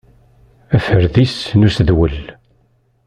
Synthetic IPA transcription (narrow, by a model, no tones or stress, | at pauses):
æfəɾðisnusðwəl